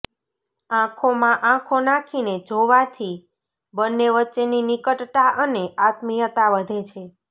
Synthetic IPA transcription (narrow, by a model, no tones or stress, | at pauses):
ãkʰomãʔãkʰonakʰined͡ʒoʋat̪ʰi | bənːeʋətːʃeninikəʈt̪aʔəneʔat̪mijət̪aʋəd̪ʱet͡ʃʰe